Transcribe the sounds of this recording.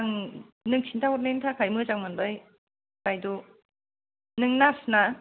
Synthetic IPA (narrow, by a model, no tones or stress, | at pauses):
ŋ | nɯŋsʰintawɔt̚lentʰakʰajmɯzaŋmandɯj | kajdu | nɯŋnasna